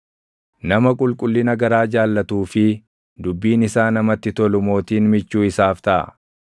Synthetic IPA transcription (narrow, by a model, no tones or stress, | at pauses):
nɐmɐkʼʊlkʼʊlːɪnɐɡɐɾaːd͡ʒaːlːɐt̪uːfɪ | d̪ʊbːiːnɪsaːnɐmɐt̪ːɪt̪ɔlʊmo̞ːt̪iːnmɪt͡ʃːuːɪsaːft̪ɐʔɐ̰